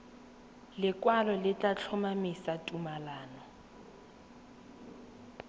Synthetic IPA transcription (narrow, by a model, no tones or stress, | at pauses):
lɪkʼwalɔlɪtʼat͡ɬʰɔmamisatʼumalaːnɔ